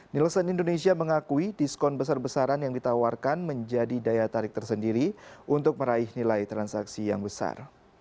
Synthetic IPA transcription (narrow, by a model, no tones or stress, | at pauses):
niləsənindonesiaməŋakuidiskɔnbəsarbəsaɾanjaŋdit̪awarkanməɲd͡ʒadidajat̪aɾɪk̚t̪ərsəndiɾiʔunt̪ʊk̚məɾaɪhnilajt̪ɾansaksijaŋbəsa̰r